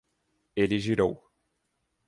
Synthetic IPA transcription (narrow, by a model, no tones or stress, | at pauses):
elɪʒiɾow